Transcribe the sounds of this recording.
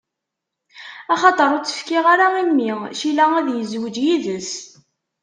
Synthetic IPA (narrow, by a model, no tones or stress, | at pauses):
ɑχɑt̪ˤəɾˤʊt͡sːə̥fkɪʁaɾaimːiʃilææðjəzwəd͡ʒjiðəs